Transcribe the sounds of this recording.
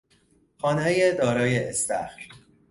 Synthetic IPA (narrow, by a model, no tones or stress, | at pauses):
xɒːnejed̪ɒːɾɒːjeest̪æ̰xɾ